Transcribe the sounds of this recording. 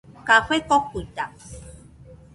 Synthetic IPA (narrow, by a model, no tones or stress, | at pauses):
kaxʷekokːut̪a